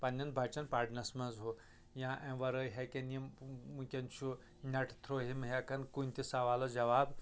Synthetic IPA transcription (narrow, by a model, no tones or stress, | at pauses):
pɐnʲːɐnbʱat͡ʃɐnpaːɖnɐsmɐzɦo | jãʔɛ̃ʋɐɾəjɦekʲenimmũkʲɐnt͡ʃʰu | nʲɐʈʰt̪ʰɾoɦimɦɐkɐnkunʲt̪isɐʋaːlod͡ʒɐʋaːb